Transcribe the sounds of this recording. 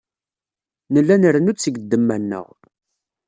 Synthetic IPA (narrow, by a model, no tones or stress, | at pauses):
nəlːænəɾənut͡sːəɡəd̪ːəmːænːə̰ʁ